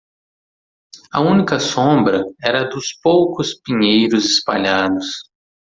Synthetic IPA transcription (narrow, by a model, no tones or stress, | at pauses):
ɐ̰ũnikɐsõbɾɐɛɾɐd̪ʊspowkʊspĩɲejɾʊzɪspaʎad̪ʊs